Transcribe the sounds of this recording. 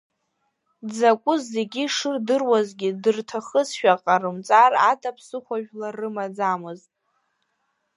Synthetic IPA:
d͡zakʷʼʊzːe̞ɡʲiʂɨrdɨrwazɡʲidɨrtʰaχəzʃᶣaqʼarɨmt͡sʼaratʰʼapʰsɨχʷaʒᶣlarːɨmad͡zamɨztʼ

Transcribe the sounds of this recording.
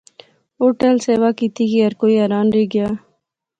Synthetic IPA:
oːʈelseːʋaːkiːt̪ʰikiəɾkoːiːɛːɾaːnɾeːɡjaː

